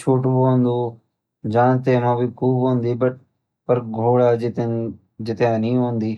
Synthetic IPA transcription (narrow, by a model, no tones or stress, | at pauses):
t͡ʃʰuːʈbond̪oː | d͡ʒãːɳ̃t̪eːnãːbiːkʰuːbɦõːnd̪iːbəʈ̚ | pəɾɡʱoːɽaːd͡ʒɪt̪ | d͡ʒɪt̪jãːnĩːɦõːnd̪iː